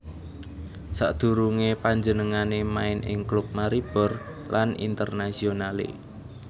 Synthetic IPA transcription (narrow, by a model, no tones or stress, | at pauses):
sa̰ʔd̪̥ṳɾuŋepaɲd͡ʒənəŋanemaɪnʔɪ̰ŋklup̚maɾib̥ɔ̤rlʔanḭnt̪ərnasionalḛ